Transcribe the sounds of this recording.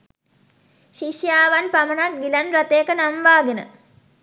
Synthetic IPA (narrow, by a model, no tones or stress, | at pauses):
ʃiʃjaːʋɐnpɐmɐnɐk̚ɡilɐnɾɐt̪eːkɐnɐmʋaːɡinə̰